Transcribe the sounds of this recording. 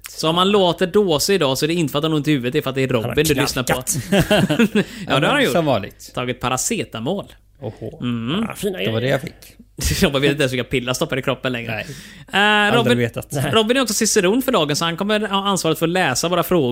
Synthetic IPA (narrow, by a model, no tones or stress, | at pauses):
sɔɔmhanloːt̪əɖoːsəɪd̪ɑːsɔɛɖɛɪnəfəat̪hanʊnt̪ɪhʉːvət̪ɛɾfɾat̪̚d̪ɛːɾɔbbːɪnd̪ɵlʏsnaɾpʰɔ | jɑːd̪ɛhaɾhanjʊɑlɪ̰ɡt̪t̪ʰɑːɡɪt̪̚pʰaɾaseːt̪amoːl | hm̩hfiːndɛvadɛjafɪkːɾɔbɪveːt̪ɪɛnsvɪlkapʰɪlːast̪ɔpːad̪əɪkɾɔpːənlɛŋːɾə | ɾɔb̪bɪeːt̪at̪ɾɔbːɪnæɾɔksɔsɪsːəɾund̪fœɖɑːɡənsɔhankɔmːəɾhɑansvɑːɾət̪fəɾɔlɛːsavoːɾafɾoːɡ